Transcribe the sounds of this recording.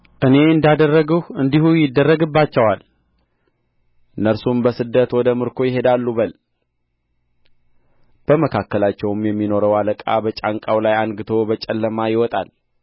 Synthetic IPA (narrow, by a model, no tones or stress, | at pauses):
ʔɨne̞ɨnd̪ad̪ərːəɡəwɨnd̪ihujɪd̪ːərːəɡɨbːat͡ʃːɛwal | ɨnːəɾsumbəsɨd̪ːət̪wɔd̪əmɨɾkʰo̞jɪɦe̞d̪alːubəl | b̥əməkʰakːəlat͡ʃːɛwmjɛmːino̞ɾəwaləkʼa̰bət͡ʃʼaŋkʼawlajaŋɡɨt̪ʰo̞bət͡ʃʼɛlːəmajɪwɔt̪ʼal